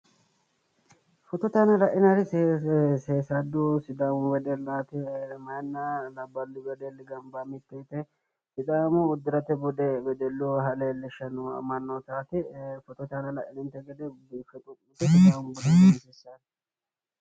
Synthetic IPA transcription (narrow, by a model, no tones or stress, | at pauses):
fɔt̪ɔt̪aːnɐlɐʔɪnɐɾɪsseːsɐd̪ːusɪd̪amʊwɛd̪ɛlaːt̪ɪmɐjnːalɐbːɐlːɪwɛd̪ɛlːɪɡɐmbamɪt̪ːet̪ɛ | fɪt̪ʼaːmʊːd̪ːɪɾɐt̪ɛbʊd̪ɛbɛd̪ɛlːuɦɐleːlːɪʃɐnuɐ̰mɐnːot̪aːt̪ɪfɔt̪ɔt̪aːnɐlɐʔɪnɪnt̪ɛɡɛd̪ɛbifɛt̪ʼʊkːʊt̪ɛsɪd̪aːmbʊd̪ɛnsɛsːa